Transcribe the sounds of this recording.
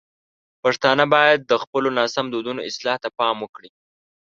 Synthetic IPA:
paʂt̪ɑnəbɑjad̪̚ːəxpəlonɑsamd̪od̪unoɪslɑht̪apɑmwəkɽi

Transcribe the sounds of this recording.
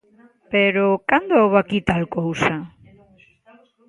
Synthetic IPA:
peɾokand̪oowβakit̪alkowsa

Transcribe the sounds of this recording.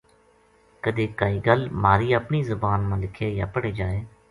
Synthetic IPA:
kəd̪eːkaːiːɡəlmaːɾiːəpɳiːzəbaːnmãːlɪkʰeːja̰ːpəɽeːd͡ʒaːeː

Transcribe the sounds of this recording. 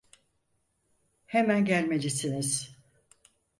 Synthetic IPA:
hemænɟælʲme̞d͡ʒisiniz̥

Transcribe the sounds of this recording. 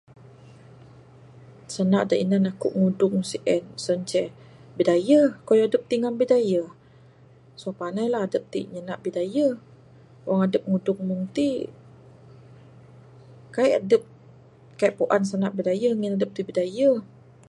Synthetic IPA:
sənaʔdaʔinanakʊ̰ʔŋudʊŋsiʔɛnsəɲt͡ʃɛbidajəkojɔadəp̚t̪iŋambidajə | sopanajlahadəp̚t̪ḭɲənaʔbidajə | wʔaŋadəp̚ŋudʊŋmuŋt̪i | kajʔadəp̚ | kaiʔpoʔans̬ənaʔbidajəŋinadəp̚t̪ibidajə

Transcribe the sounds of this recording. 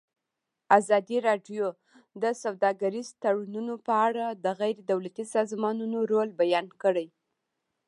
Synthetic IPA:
azɑd̪iɾɑɖjo | d̪əsawd̪ɑɡaɾizt̪aɽununopəaɽad̪əɣajɾed̪awlat̪isɑzmɑnunoɾolbajɑnkəɽəj

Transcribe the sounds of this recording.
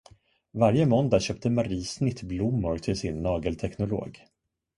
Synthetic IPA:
vaɾjəmɔnd̪aɕœːp̚t̪əmaɾiːsnɪt̪blʊmːʊɾt̪ʰɪlsɪnːɑːɡəlt̪ʰɛknʊlo̰ːɡ

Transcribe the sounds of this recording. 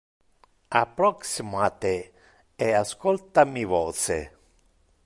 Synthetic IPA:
apːɾɔksimoat̪ːe | easkolt̪amivoːt̪sḛ

